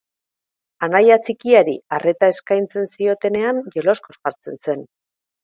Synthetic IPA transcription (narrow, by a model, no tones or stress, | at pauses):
anajat͡sikiaɾiare̞t̪ae̞skajnt͡se̞nsio̞t̪e̞ne̞anʝe̞lo̞sko̞sɣaɾt͡se̞nse̞n